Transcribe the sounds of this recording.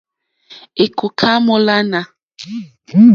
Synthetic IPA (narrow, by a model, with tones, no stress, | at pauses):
e˨kʰo˨kʰa˦mɔ˦la˦na˨